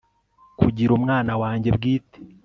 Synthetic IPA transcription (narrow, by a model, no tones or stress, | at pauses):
kṵɟiɾumŋaːnawaːɲɟebɡiːte̥